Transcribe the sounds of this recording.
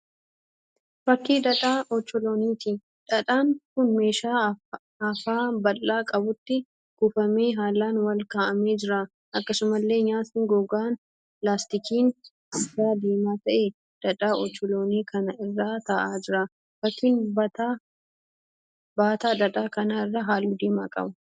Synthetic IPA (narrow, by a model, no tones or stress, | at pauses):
fɐkːiːd̪ɐᶑaːʔɔt͡ʃːɔloːniːt̪i | ᶑɐᶑaːŋkʊnme̞ːʃaː | ɐfaːbɐlːaːkʼɐbʊt̪ːɪ | ɡ̥ʊfɐme̞ːɦaːlːaːnwɐlkaːʔɐmeːd͡ʒɪɾa | ʔɐkːɐsʊmɐlːe̞ːɲaːt̪ɪŋɡɔɡaːn | laːst̪ɪkiːn | ɪaːd̪eːmaːt̪ɐʔe | d̪̥ɐᶑaːʔɔt͡ʃːɔlo̞ːniːkʰɐnɐɪrːaːt̪ɐʔaːd͡ʒɪɾa | fɐt̪iːnbɐt̪a | baːt̪aːᶑɐᶑaːkɐnaɪrːaɦaːluːd̪eːma̰ːkʼɐ̰bɐ̥